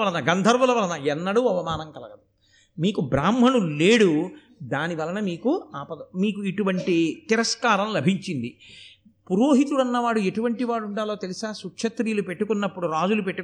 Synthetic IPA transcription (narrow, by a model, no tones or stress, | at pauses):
ɐlɐnɐɡɐnd̪ʱɐɾʋɐlɐʋɐlɐnɐɛnːɐɽuɐʋɐmaːnɐŋkɐlɐɡɐd̪u | miːkubɾaːmɦɐnule̞ːɽu | d̪aːniʋɐlɐnɐmiːkuaːpɐd̪ɐmiːkuiʈuʋɐɳʈit̪iɾɐskaːɾɐmlɐbʱiɲt͡ʃind̪i | puɾoːɦit̪ulɐnːɐʋaːɽue̞ʈuʋɐɳʈiʋaːɽuɳɖaːloːt̪elisaːsukʂɐt̪ɾiːlupe̞ʈːukunːɐpːuɽuɾaːd͡ʒulupeʈːu